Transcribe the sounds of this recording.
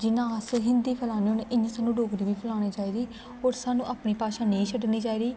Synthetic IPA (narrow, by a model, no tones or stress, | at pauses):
d͡ʒɪnãːəsɦɪnd̪iːpʰəlaːniːoːnʔɪɲãːsaːnːũːɖoːɡɾiːʋiːpʰəlaːñeːt͡ʃaːiːɾiː | oːɾsaːnũːʔaːpniːpaːʃãːneit͡ʃʰəɖniːt͡ʃaːiːɾiː